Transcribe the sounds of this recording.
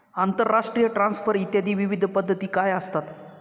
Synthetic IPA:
ant̪əɾːaʂʈɾijəʈɾãnsfəɾit̪jad̪iːʋiʋid̪ʱpəd̪ʱːət̪iːkajəst̪at̪

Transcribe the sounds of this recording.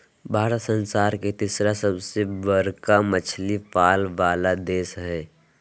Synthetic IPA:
bʱaːɾət̪sə̃nsaːɾket̪isɾasəbsebəɾkamət͡ʃʰlipaːlʋaːlad̪eːsɦɛː

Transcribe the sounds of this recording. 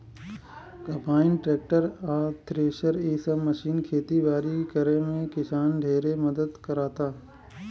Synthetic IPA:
kɐ̃paːɪnʈɾeːk̚ʈəɾaːt̪ʰɾeːʃəɾiːsəməʃiːnkʰeːt̪ibaːɾikɐɾẽmẽkɪsaːnɖʱeːɾemɐd̪əd̪kɐɾaːt̪aː

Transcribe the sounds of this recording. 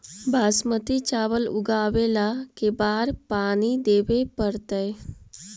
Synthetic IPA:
bʱaːsmət̪it͡ʃaːʋəlʊ̰ɡaːʋeːlakebaːɾpaːnid̪eːʋepəɾt̪əe

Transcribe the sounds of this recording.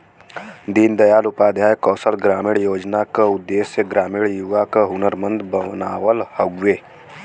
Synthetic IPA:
d̪iːnd̪əjaːlʊpaːd̪ʱjaːjkɔːsəlɡɾaːmiːɽjoːd͡ʒnakaʊd̪ːeːsjəɡɾaːmiːɽjuʋakaɦʊnəɾmə̃nd̪bəmnaːwəlhəɡʋeː

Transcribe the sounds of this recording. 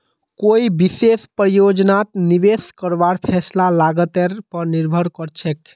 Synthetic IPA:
koibisespɾəjod͡ʒnat̪niʋeskəɾbaɾpʰɛslalaɡət̪ɛɾpəɾniɾbʱəɾkəɾt͡ʃʰɛk

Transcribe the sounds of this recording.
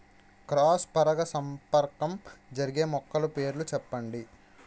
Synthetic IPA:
kɾaːspɐɾɐɡɐsɐmpɐɾkɐmd͡ʒɐɾiɡe̞ːmɔkːɐlupe̞ːɾulut͡ʃɛpːɐɳɖi

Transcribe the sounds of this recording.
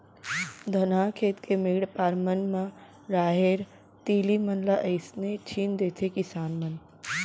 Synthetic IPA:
d̪ʱənakʰeːt̪kemiːɽpaːɾmənma | ɾaːɦeɾ | t̪iːlimənlaʔəɪsnet͡ʃʰiːnd̪eːt̪ʰekisaːnmən

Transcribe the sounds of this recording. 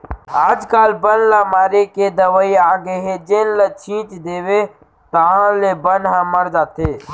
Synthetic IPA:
aːd͡ʒkaːlbənlaːmaːɾeked̪əʋəiaːɡeɦed͡ʒeːnlət͡ʃʰĩːt͡ʃd̪eːwe | t̪aɦãlebənɦãməɾd͡ʒaːt̪ʰeː

